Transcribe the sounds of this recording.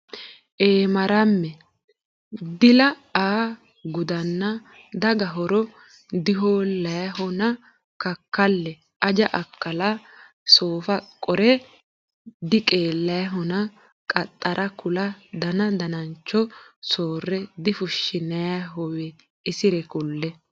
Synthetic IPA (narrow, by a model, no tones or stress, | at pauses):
ʔeːmɐɾɐmːɛ | d̪ɪlɐ | aː | ɡʊd̪ɐnːɐ | d̪ɐɡɐɦɔɾɔ | d̪ɪɦoːlɐjɐɦɔnɐ | kɐkːɐlːɛ | ʔɐd͡ʒɐʔɐkːɐlɐ | soːfɐkʼɔɾɛ | d̪ɪkʼeːlːɐjɐɦɔnɐ | kʼɐt̪ʼːɐɾʔɐkʊlɐd̪ɐnɐd̪ɐnɐnt͡ʃːɔsoːrːɛd̪ɪfʊʃːɪnɐjaɦɔwɛ | ɪsɪɾɛkʊlːɛ